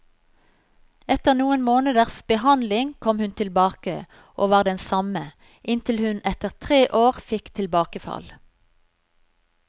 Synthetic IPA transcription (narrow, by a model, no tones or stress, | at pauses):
ɛt̪əʁnuːənmoːnəd̪əʁsbəhɑnlɪŋkʰɔmhʉnt̪ʰɪlbɑːkə | ʔoːʋɑːʁd̪ɛnsɑmə | ʔɪnt̪ʰɪlhʉnɛt̪əʁt̪ʰʁeːʔoːʁfɪkt̪ʰɪlbɑːkəfɑ̰l